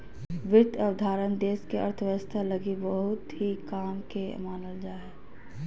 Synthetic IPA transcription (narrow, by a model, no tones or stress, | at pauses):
ʋɪɾt̪ʰəʋd̪ʱaːɾənd̪eːskeɐ̰ɾt̪ʰʋəʋəst̪ʰalɐɡibəɦʊt̪ɦikaːmkemaːnəld͡ʒaːɛː